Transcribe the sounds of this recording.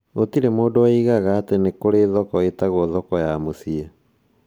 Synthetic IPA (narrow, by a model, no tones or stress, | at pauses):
otiɾemoːdoaiɣaɣaːtenekoɾeðɔkɔetaɣoðɔkɔjamosiɛ